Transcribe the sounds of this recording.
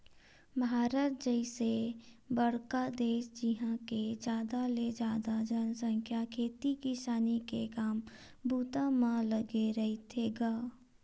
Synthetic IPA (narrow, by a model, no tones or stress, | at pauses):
baːɾət̪̚d͡ʒəɪsebəɽkad̪eːʃd͡ʒɪɦãked͡ʒjaːd̪aled͡ʒaːd̪ad͡ʒənsə̃ŋkʰjakʰeːt̪ikisaːnikekaːm | bʱuːt̪amãləɡeɾɐɦit̪ʰeɡaː